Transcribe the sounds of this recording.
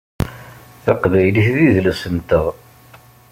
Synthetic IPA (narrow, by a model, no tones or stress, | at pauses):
θɑqvæjliθðiðlæsənt̪əʁ